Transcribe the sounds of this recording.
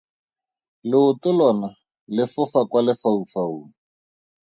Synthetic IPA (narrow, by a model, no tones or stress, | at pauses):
lɪʊtʊlɔna | lɪfʊfakwalɪfaufauːŋ̩